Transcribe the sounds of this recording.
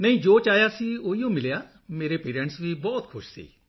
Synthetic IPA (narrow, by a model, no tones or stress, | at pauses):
nɐĩd͡ʒoːt͡ʃaːjasioːijõmɪlja | meːɾepeːɾə̃ɳʈsbʱibɔːt̪kʰʊʃsḭː